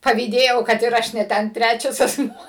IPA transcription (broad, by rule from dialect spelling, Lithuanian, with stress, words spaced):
pɐʋʲiːˈdʲeːjɛʊ kɐt ɪr ˈɐʃ nʲɛ ˈtʲɛn ˈtʲrʲæt͡ʃʲɛs ɐsˈmuɔ